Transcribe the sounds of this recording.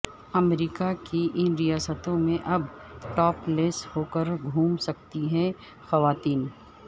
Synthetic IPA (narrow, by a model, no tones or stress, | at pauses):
ɐmɾiːkakiʔɪnɾijaːsət̪õmẽʔɐbʈɔːpleːshoːkəɾɡʱuːmsɐk̚t̪iɦɛ | xɐʋaːt̪iːn